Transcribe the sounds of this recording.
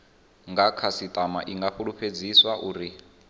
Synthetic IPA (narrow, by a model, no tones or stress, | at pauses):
ŋɡakʰasit̪ʼama̰ʔiŋɡaɸuɺupʰed͡ziswaʔuːɾi